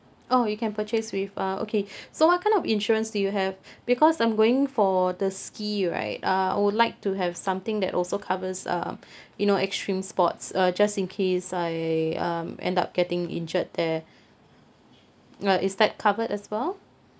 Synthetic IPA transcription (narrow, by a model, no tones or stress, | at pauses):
ʔojukɛ̃npʰət͡ʃeswɪfʌʔo̰kʰesowɔt̚kʰãɪ̃ndɔfĩnʃɔɹə̃nsdujuɦɛvbikʰɔsãɪ̃mɡoɪ̃ŋfɔdəskiɹa̰ɪt̚ʌa̰ɪwudlaɪk̚tuɦɛv̥sãmt̪ɪ̃ŋdɛ̰tɔlsokʰavəsʌ̰m | junoɛkstɹĩmspɔ̰tsʌd͡ʒastĩnkʰesaɪʌ̰mɛ̰̃nda̰p̚ɡ̥ɛtɪ̃ŋɪ̰̃nd͡ʒət̚d̪ɛ | ʌʔɪsd̪ɛt̚kʰavətɛswɛlˠ